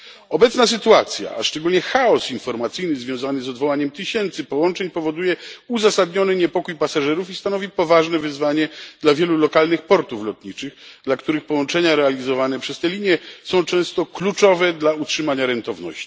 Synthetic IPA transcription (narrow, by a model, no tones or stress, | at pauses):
ɔbɛt̪snas̬ɘt̪uat̪sʲja̰a̰ʂt͡ʂɛɡulɲɛxaɔsinfɔɾmat̪sɘjnɘzvʲjɔ̃w̃zanɘzɔd̪vɔwaɲɛmt̪ɘɕɛnt̪sɘpɔwɔnt͡ʂɛɲpɔvɔd̪ujɛuzasad̪ɲɔnɘɲɛpɔkujpasaʐɛɾufist̪anɔvʲipɔvaʐnɛvɘzvaɲɛd̪̥lavʲjɛlulɔkalnɘxpɔɾt̪uflɔt̪ɲit͡ʂɘɣd̪lakt̪uɾɘxpɔwɔnt͡ʂɛɲaɾɛalʲizɔvanɛpʂɛst̪ɛlʲiɲjɛsɔ̃w̃t͡ʂɛ̃w̃st̪ɔklut͡ʂɔvɛd̪lautʂɘmaɲaɾɛnt̪ɔvnɔ̰ɕt͡ɕi̥